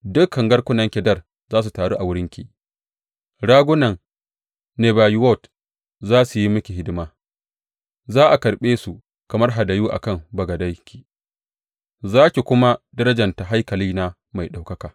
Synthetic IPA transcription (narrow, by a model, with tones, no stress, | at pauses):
dʊ˦kʰːɐ˨ŋɡɐ˦rkʷʊ˦nɐ˦ŋkʲɛ˨dɐ˦˨r | zaː˦s̬u˨taː˨ɽoː˦ʔa˨wʊ˦ɽɪ˦ŋkʲḭ˨ | ɽaː˦ɡʷʊ˦nɐ˨ŋ | ne˨baː˨jwɔ˦˨t | zaː˦su˨ji˦mʊ˦kʲi˨ɦɪ˦dɪ˦maː˦ | zaː˦ʔa˨kɐ˨ɾɓeː˦su˨ | kɐ˨mɐ˦rɦa˨da˨juː˦ʔa̰˨kɐ˦˨mbɐ˨ɡɐ˨dɐ˦jkʲi̥˨ | zaː˦kʲi˨kʷʊ˦ma˦dɐ˦ɾɐ˦d͡ʒɐ˨nta˨ɦa˦jkɐ˨liː˦na˦ | ma˨jɗa˨wkɐ˦kaː˨